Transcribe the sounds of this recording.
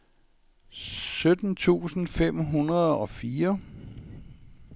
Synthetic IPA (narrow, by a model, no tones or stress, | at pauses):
sød̥n̩t͡sʰṵːsn̩fem̰ɦunɐð̞̩ˠɒ̽fiːɐ